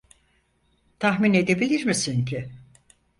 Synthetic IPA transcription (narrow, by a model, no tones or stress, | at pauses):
t̪ʰaɦmine̞d̪e̞bilʲiɾmisincʰi